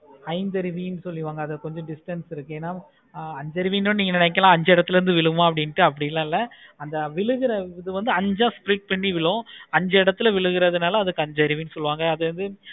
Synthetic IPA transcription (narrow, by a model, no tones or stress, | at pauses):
hɐɪnd̪ɐɾɪʋijnɯsɔlːɪʋaːŋɡɐːðɐkɔɲd͡ʒɔ̃ɖɪsʈɐnsɪɾɯkːɯeːnːaː | ɐɲd͡ʒɐɾɯʋiːnõnniːŋɡɐnɪnɛk̬ːɐlãːɐɲd͡ʒɐɪɽɐt̪ːɪlɐɾɯnd̪ɯʋɪɭɯʋãːɐpːɐɽɪnʈːɯɐpːɐɽɪjɪlãːɪlːɐɐnd̪ɐʋɪɭɯɣɪɾɐɪðɯʋɐnd̪ɯɐɲd͡ʒãːspɾiːʈ̚pɐɳːiʋɪɭʊ̃ɐɲd͡ʒɐɪɽɐt̪ːɯɪlɐʋɪɭɯɣɯɾɐðɯnaːlɐːðɯkːɯɐɲd͡ʒɐɾɪʋinɯsɔlːɯʋaːŋɡɐːðɯʋɐnd̪ɯ